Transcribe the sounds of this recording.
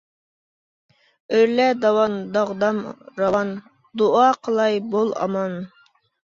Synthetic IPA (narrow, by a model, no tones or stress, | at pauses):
øɾlɛd̪ɑwɑnd̪ɑʁd̪ɑmɾɑwɑn | d̪oɑqʰəlˠɑjbolˠɑ̰mɑn